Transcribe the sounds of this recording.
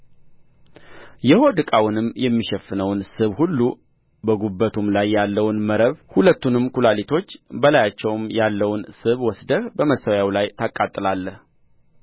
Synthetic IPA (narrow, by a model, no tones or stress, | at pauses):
jɛho̞d̪ɨkʼawʊnɨmːjɛmːiʃɛfːɨnəwnsɨβhulːu | bəɡubːət̪ʰumlajːalːəwnməɾəβhulət̪ːunɨmkulalit̪ʰo̞t͡ʃːbəlajat͡ʃːɛwmjalːəwnsɨβwɔsd̪əβbəməsəwjawlajt̪ʰakʼːat̪ʼːɨlalːəh